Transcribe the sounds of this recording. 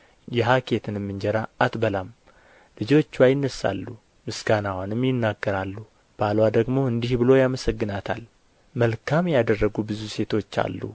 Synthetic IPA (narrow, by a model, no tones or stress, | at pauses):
jɛɦakʰe̞t̪ʰɨnɨmːɨnd͡ʒɛɾaːt̪bəlam | lɨd͡ʒo̞t͡ʃːwajɪnːəsa̰lːu | mɨsɡanawanɨmjɪnːaɡːəɾalːu | b̥alwad̪əɡmo̞ɨnd̪ihbɨlo̞jaməsəɡːɨnat̪ʰa̰l | məlkʰamjad̪ərːəɡubɨzuse̞t̪ʰo̞t͡ʃːa̰lːṵ